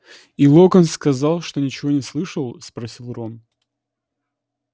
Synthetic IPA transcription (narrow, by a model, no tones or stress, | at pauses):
ilˠokənskɐzɑlˠʂt̪o̞nʲɪt͡ɕɪvo̞nʲɪslˠɨʂəlˠspɾɐsʲilˠron